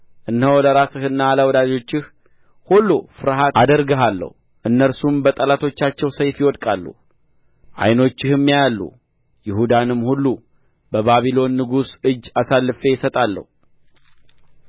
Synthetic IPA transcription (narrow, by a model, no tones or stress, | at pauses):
ʔɨnhəwləɾasɨhɨnːaːləwɔd̪ad͡ʒo̞t͡ʃːɪh | hulːufɨɾɦatad̪əɾɡəɦalːə̰hu | ʔɨnːəɾsumbət̪ʼəlat̪ʰo̞t͡ʃːat͡ʃːɛwsəjfjɪwɔd̪kʼalːṵ | ʔa̰jno̞t͡ʃːɪhɨmːjajalːṵ | jɪhud̪anɨmːhulːu | bəβaβilo̞nːɨɡusɨd͡ʒːasalːɨfe̞jɪsət̪ʼalːə̰hu